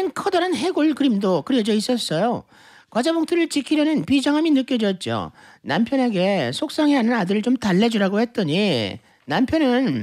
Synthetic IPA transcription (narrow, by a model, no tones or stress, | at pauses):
ɯnkʰʌdʌɾanɦe̞ɡoɭkɯɾimdokɯɾiʌd͡ʑʌis͈ʌs͈ʌjo | kwad͡ʑaboŋtʰɯɾɯɭt͡ɕikʰiɾjʌnɯnpid͡ʑʌŋɦaminɯk͈ʌd͡ʑʌt̚t͡ɕ͈o̰nampʰjʌne̞ɡe̞sʰok̚s͈aŋianɯnadɯɾɯɭt͡ɕomtaɭːed͡ʑuɾaɡohe̞t̚t͈ʌɲi | nampʰjʌnɯn